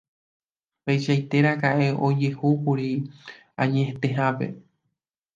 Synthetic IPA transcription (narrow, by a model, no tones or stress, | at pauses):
pejʃajt̪e̞ɾakaʔe̞ʔo̞d͡ʒe̞hukuɾi | ãɲẽet̪e̞ɦãpe̞̰